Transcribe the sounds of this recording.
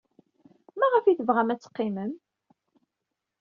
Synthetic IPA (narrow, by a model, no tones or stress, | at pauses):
mæʁəfiθəvʁæmæt͡sːə̥qːiməm